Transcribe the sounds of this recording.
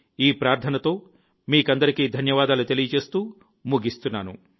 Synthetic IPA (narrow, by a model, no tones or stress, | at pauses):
iːpɾaːɾt̪ʰɐnɐt̪o̞ː | miːkɐnd̪ɐɾikiːd̪ʱɐnjɐʋaːd̪aːlut̪elijɐt͡ʃe̞ːst̪uː | muɡist̪unːaːnṵ